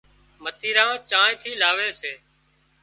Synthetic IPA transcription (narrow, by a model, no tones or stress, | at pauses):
mət̪iːɾãːt͡ʃãːɪ̃t̪ʰiːlaːʋeːseː